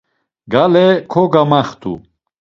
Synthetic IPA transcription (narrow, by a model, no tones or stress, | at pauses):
ɡalekʰoɡamɐxt̪ṵ